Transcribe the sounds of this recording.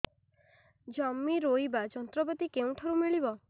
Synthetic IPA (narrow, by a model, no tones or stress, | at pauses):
d͡ʒɔmːiɾojbad͡ʒɔnt̪ɾɔbɔt̪ikeũʈʰɔɾumiɭibɔ